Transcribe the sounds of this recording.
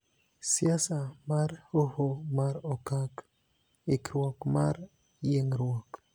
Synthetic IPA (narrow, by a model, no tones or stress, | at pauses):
sjasamaɾhohomaɾɔkak | ikɾwɔkmaɾ | jeŋɾwɔk